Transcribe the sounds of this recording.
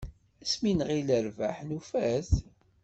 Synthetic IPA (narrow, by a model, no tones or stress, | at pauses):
æsminʁiləɾvæħnufæθ